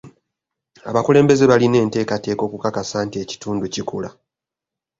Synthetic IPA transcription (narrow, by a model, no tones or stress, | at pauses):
a̰βakule̞ːmbe̞ze̞βaline̞ːnte̞ːkate̞ːko̞ːkukakasaːntieci̥tuːnducikula